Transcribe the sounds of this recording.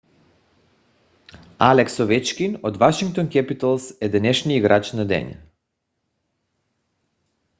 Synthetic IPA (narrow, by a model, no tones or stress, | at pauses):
alɛksɔvɛt͡ʃkʲinod̪vaʃiŋk̚t̪onkʲɛpit̪alˠsɛd̪ɛnɛʃniiɡɾat͡ʃnad̪ɛ̰ɲa̰